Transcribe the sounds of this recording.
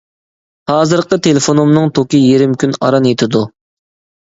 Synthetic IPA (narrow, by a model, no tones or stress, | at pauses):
hɑːzɨɾqət̪ʰelefonumnɨŋt̪ʰokʲijeɾɪmkʲynɑ̰ɾɑnjet̪ʰɪd̪u